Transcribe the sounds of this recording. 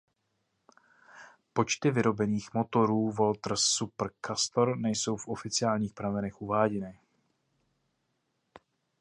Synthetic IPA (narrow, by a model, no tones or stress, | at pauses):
po̞t͡ʃt̪ɪvɪɾo̞bɛniːxmo̞t̪o̞ɾuːvo̞lt̪r̩supr̩kast̪oɾnɛjso̞wfʔo̞fɪt͡sɪaːlɲiːxpɾavɛnɛxʔuvaːɟɛnɪ